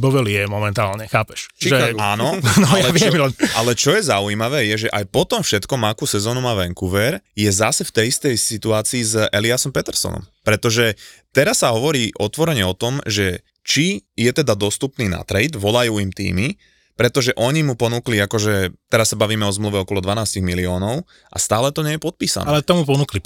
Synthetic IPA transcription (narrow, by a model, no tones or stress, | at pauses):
bɔʋɛlijɛmɔmɛnt̪aːlɲɛxaːpɛʃʒɛaːnɔnɔjaɛʋɪɛmlɛnʔalɛt͡ʃɔjɛzauiːmaʋɛːjɛʒɛʔajpɔt̪ɔmfʃɛt̪kɔmakusɛzɔːnumaʋɛŋkuʋɛɾjɛzasɛft̪ɛjist̪ɛjsit̪uaːt͡siːzʔɛliasɔmpɛt̪ɛɾsɔ̰nɔ̰mpɾɛt̪ɔʒɛt̪ɛɾasːaɦɔʋɔɾiːʔɔt̪ʋɔɾɛɲɛɔt̪ɔmʒɛ | t͡ʃijɛt̪ɛd̪ad̪ɔst̪upniːna̰t̪ɾɛjd̪ʋɔlajuːimt̪ḭːmi | pɾɛt̪ɔʒɛʔɔɲimupɔnukliakɔʒɛt̪ɛɾasːabaʋiːmɛɔzmluʋɛɔkɔlɔd̪ʋanaːsciɣmiliɔːnɔʊ | ʔa̰st̪aːlɛt̪ɔɲɛjɛpɔt̪̚piːsanlɛt̪ɔmupɔnukli